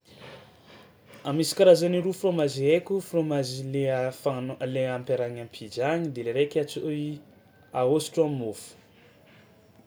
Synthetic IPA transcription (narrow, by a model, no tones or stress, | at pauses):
amisi̥kaɾazaniɾufromaziekʲufromazileafanleampeɾaɲampʰid͡ʒaɲid̪eleɾekʲat͡ʃoi | aosi̥ʈ͡ʂamimofu̥